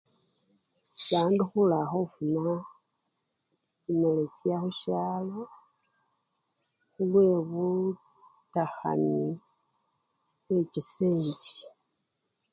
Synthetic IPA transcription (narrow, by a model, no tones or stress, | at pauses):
βaːndixulaxofuna | cimelecjaxuʃaːlo | xulwe̞βu | taxa̰ni | βweciseːɲɟi̥